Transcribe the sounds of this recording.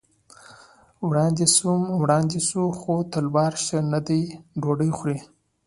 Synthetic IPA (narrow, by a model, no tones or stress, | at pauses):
wɽɑnd̪esumwɽɑnd̪esuxot̪əlbɑɾʃənad̪əjɖoɖəjxɾi